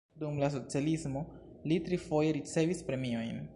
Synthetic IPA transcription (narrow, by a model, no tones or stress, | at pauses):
dumlas̬o̞t͡sialismo̞ | litɾifo̞je̞ɾit͡se̞vispɾe̞mio̞jn